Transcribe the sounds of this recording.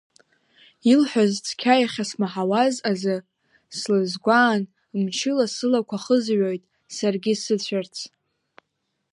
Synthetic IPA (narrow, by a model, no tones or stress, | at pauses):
ilħʷᶣazt͡sʰkʲʰajaχʲasmaħawazazɨ | slɨzɡʷaːn | mt͡ʃʰɪlasɨlakʷʰaχəzʕojtʼ | sarɡʲɪsɨt͡ɕʷʰart͡sʰ